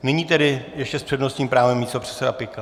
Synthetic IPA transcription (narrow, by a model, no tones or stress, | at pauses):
nɛɲiːt̪ɛdɪjɛʃcɛspr̥ɛdno̞st̪ɲiːmpɾaːvɛmːiːst̪o̞pr̥ɛ̥t̪sɛdapɪka